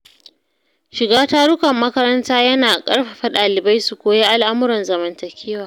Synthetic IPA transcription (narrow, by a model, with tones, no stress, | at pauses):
ʃɪ˨ɡaː˦ta˦ɽʊ˦kɐ˨mːɐ˦kɐ˦ɾɐ˦ntaː˦jɐ˦naː˨kʼɐ˦ɽɸa˨ɸɐ˦ɗaː˨lɪ˨ba˦jsu˨kʷoː˨˦je˦ʔa˨lʔa˦mʊ˦ɾɐ˨nzɐ˨mɐ˨ntɐ˨kʲʰeː˦waː˨